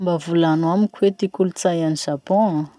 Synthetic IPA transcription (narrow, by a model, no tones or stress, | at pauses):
mbavulanamikʲwet̪ikulut͡sajaniz̥apɔ̃a